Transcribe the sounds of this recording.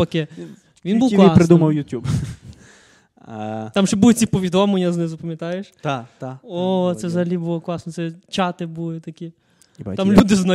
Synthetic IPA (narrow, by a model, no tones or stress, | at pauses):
ɐke | ʋʲinbuwklˠɑspɾed̪umɐwjʊtʲub | t̪ɑmʒɛbulʊt͡sʲipɔʋʲid̪ɔmlenʲːɐznɛzɐpɐmʲjɐt̪ɑjeʃt̪at̪ot̪sɛʋzɐɦɐlʲibulˠɔklˠɑsnɔt̪sɛt͡ʃɑt̪ɪbulˠɪt̪ɐkʲi | t̪amlʲud̪ɪznɐ